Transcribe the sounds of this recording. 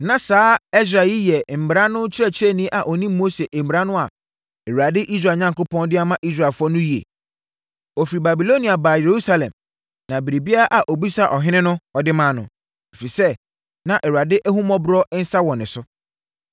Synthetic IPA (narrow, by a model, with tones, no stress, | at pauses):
nã˨saː˨˦ɛ˦s̬ɾa˨ɪ˦jɛ˨m̩˨m˨ɾa˦nʊ̃˦t͡ɕʰɪ˦ɾɛ˦t͡ɕʰɪ˦ɾɛ˦nĩ˦ʔa˨ʔɔ˨nĩ˦m˦mo˦se˨ʔm̩˨m˨ɾa˦nʊ̃˦a˨ | ɛ˨wu˨a˨dɪ˦ʔi˦s̬ɾaː˨ɲã˦ŋko˦pʰɔ̃˦ndɪ˦a˦mã˦ʔi˦s̬ɾa˨fʊ˦ɔ˦nʊ̃˦ji˨ḛ˨ | ɔ˨fi˨ɾi˨ba˨bi˨lo˦ni˨a˨baː˨je˨ɾu˦sa˦lɛ̰̃˨m | nã˨bi˨ɾi˨bi˦a˦a˦ʔa˨ʔo˨bi˦sa˦ʔɔ˨ɦɪ̃˦nɪ̃˦nʊ̃˦ɔ˨dɪ˦mãː˦˨nʊ̰̃˨ | e˨fi˨sɛ˦˨ | nã˨ʔɛ˨wu˨a˨dɪ˦ʔæ˦ɦũ˦mɔ̃˦bɾɔ˦n̩˦sa˦wɔ̃˨nɪ̃˨sʊ˦